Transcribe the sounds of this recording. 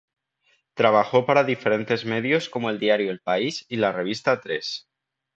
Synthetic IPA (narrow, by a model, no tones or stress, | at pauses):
t̪ɾaβ̞axo̞paɾaðife̞ɾe̞nt̪e̞zme̞ðjo̞sko̞moeld̪iaɾjoelpaisilare̞β̞ist̪at̪ɾe̞s